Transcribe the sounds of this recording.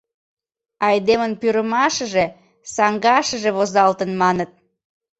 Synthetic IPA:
ɑjd̪emənpyɾəmɑʃəʒe | sɑŋɡɑʃəʒeβozɑlt̪ənmɑnət̪̚

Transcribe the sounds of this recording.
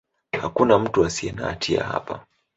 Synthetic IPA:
hakunam̩tuasiɛnatʰia̰ha̰pa

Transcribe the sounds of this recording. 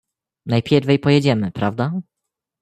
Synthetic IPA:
najpʲjɛɾvʲɛjpɔjɛd͡ʑɛmɘpɾavd̪a

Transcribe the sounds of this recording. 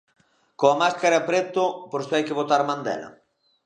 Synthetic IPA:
koamaskaɾɐapɾet̪ʊpoɾsɪajkɪβot̪aɾmãnd̪ɛ̰lɐ̰

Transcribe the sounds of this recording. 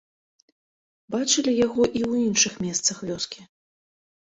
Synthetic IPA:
bat͡ʂɨlʲijaɣɔʔiwinʂɨxmʲɛst̪sɐxvʲɔskʲi

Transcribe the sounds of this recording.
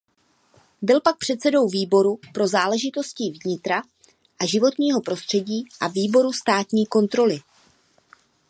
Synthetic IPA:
bɪlpak̚pr̝̥ɛt̪t͡sɛdo̞wviːbo̞ɾupɾo̞zaːlɛʒɪt̪o̞scivɲɪt̪ɾa | ʔaʒɪvo̞t̪ɲiːɦo̞pɾo̞st̪r̥ɛɟiːʔaviːbo̞ɾust̪aːt̪ɲiːko̞nt̪ɾo̞lɪ

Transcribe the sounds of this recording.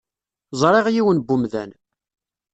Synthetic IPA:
zˤɾˤeʁjiwənbumðæ̰n

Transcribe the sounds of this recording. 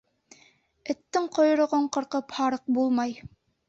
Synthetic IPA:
ɘ̆t̪ːɘŋqŏjŏɾŏʁoɴqɤ̆ɾqɤphɑɾɤq̚bulˠmɑj

